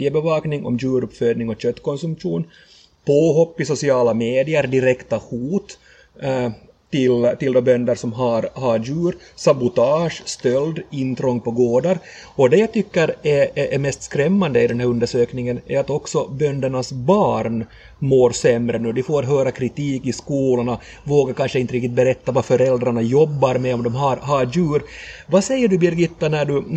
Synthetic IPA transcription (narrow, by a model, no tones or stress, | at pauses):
jəbɛvɑːknɪŋɔ̰mjʉːɾɵpføːd̪nɪŋɔɕœt̪ːkɔnsɵmpʂuːn | pʰoːɦɔpːɪsʊsɪɑːlameːd̪ɪəɾd̪ɪɾɛkt̪ahuːt̪ | t̪ɪlt̪ɪld̪ɔbœnd̪əɾʂɔmɦaɾɦaɾjʉ̟ːɾ | sabʊt̪ɑːʂst̪œld̪ɪnt̪ɾɔŋpɔɡoːɖ̪aɾ | ɔd̪ɛjat̪ʰʏkːəɾɛɛɾmɛst̪skɾɛmːand̪əɪd̪ɛnɦæːɾɵnd̪əʂøːknɪŋənæ̰ɾat̪ɔksɔbœnd̪əɳasbɑːɾn | moːɾsɛmɾənʉːd̪ɪfoːat̪ɦœːɾakʰɾɪt̪iːkɪskuːlʊɳa | voːɡaɾkanʂəɪnt̪əɾɪkt̪ɪt̪̚bɛɾɛt̪ːavafœɾɛld̪ɾaɳajɔbːaɾmɛɔmd̪ɔmɦaɾɦajʉ̟ːɾvasɛjːəɖɵbɪɾɡɪt̪ːanæɖɵ